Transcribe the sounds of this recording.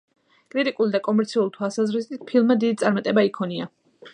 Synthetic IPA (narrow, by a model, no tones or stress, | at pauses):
kʼɾit̪ʼikʼulid̪akʼɔmɛɾt̪sʰiulˠt̪ʰwalˠsazɾist̪it̪pʰilˠmːad̪id̪it̪sʼaɾmat̪ʼɛbaikʰɔnia